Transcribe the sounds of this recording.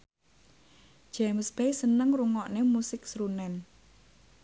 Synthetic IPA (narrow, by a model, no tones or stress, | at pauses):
d͡ʒ̥ɛmsbejsənəŋruŋɔʔnemusɪk̚sɾunɛn